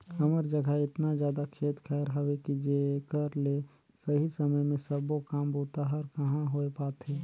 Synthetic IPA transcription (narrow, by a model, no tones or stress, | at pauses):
kəməɾd͡ʒəɡʱəɪt̪nazjaːd̪akʰeːt̪kʰɛːɾɦəʋekid͡ʒekəɾle | səɦisɐməjmẽsəbokaːmbʱoːt̪aɦəɾkɐɦãɦoepaːt̪ɦeː